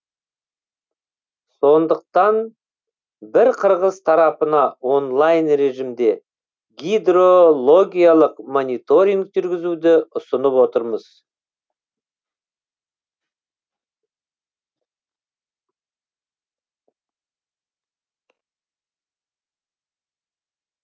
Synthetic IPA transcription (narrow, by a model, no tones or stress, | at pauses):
so̞nd̪əq̚t̪ɑn | bɪɾqʰəɾʁəzt̪ʰɑɾɑpənɑwo̞nlˠɑjnɾe̞ʒimd̪e̞ | ɡʲijd̪ro̞lˠo̞ɡʲijalˠəqmo̞nijt̪o̞ɾʲiŋkʒʏɾɡʲɪzud̪ɪʊsənəpwo̞t̪əɾməz̥